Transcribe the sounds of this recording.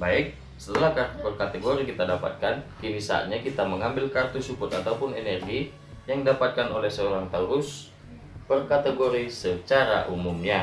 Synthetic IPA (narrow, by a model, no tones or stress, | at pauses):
baɪk̚ | sə̥t̪əlahkart̪pərkat̪eɡoɾikit̪adapa̰t̪̚kankiɾisa̰ɲakit̪aməŋambɪlkart̪usupʊt̪at̪aupʊnenɛrɡi | jaŋdapat̪̚kanolɛhsəoɾaŋt̪auɾʊs | pərkat̪eɡoɾisət͡ʃaɾa̰ʔumumɲa